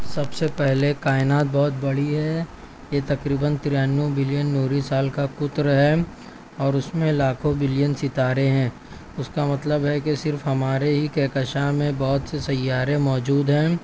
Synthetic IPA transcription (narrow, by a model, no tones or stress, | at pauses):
sɐbsepɛɦlekaːɪnaːt̪̚bɔːt̪̚bɐɽiɦɛ | jet̪ɐkɾiːbənt̪ɪɾjaːnːubɪlijənːoːɾisaːlkakʊt̪ɾɦɛ | ɔːɾʊsmẽlaːkʰõbɪlijənsɪt̪aːɾeɦɛ̃ː | ʊskamɐt̪ləbɦɛkesɪɾfɦɐmaːɾeɦikɛːkəʃamẽbɔːt̪sesɐjːaːɾemɔːd͡ʒuːd̪ɦɛ̃ː